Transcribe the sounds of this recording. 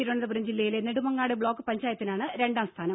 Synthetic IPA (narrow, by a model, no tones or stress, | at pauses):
iɾoɳɐðɐpuɾɐmd͡ʑilːɐjilenːeɽumɐŋːaːɽebɭo̞ːkːɨpɐɲd͡ʑaːjɐt̪ːinaːɳɨɾe̞ɳɖaːmst̪ʰaːnɐm